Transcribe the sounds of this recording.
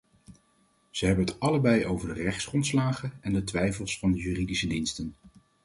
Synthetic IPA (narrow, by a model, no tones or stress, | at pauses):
z̥əɦɛbənɦətɑləbɛjowvəɹdərɛχtsχrɔntslaːχənɛndətʋɛjfəlˠsfɑndəjyːridisədinstən